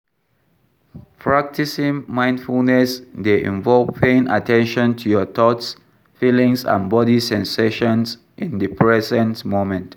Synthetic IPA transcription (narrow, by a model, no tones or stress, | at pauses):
pʰɹak̚tisĩŋmãɪ̃ndfulnɛsdeʔḭ̃ɱvɔlvpʰẽna̰tɛ̃nʃɔ̃ntʰujɔt̪ɔts | filĩŋsã̰nbɔdisɛ̃nseʃɔ̃ns | ʔĩndəpʰɹɛzə̃ntmomɛ̃nt